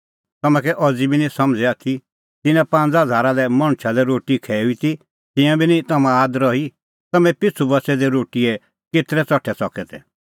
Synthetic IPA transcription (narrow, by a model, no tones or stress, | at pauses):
t̪ɐmɛ̃kɛʔɔd͡zibinĩsɐmd͡zɛat̪ʰi | t̪ɪnɛ̃pãnd͡zɦɐd͡zʱaːɾalɛmɐɽ̃ʃʰalɛɾoːʈikʰɛːuit̪i | t̪ɪ̃jãbʱinĩt̪ɐmãaːd̪ɾɔi | t̪ɐmɛ̃pɪt͡sʰubɐsɛd̪ɛɾoːʈiɛ | ket̪ɾɛt͡sɔʈʰɛsɔkɛt̪ɛ̰